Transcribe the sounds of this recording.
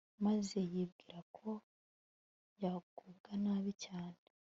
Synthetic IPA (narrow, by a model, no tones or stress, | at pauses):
maze̞jib̚ɡiːɾakʰo̞ | jaɡub̚ɡanaːβicaːne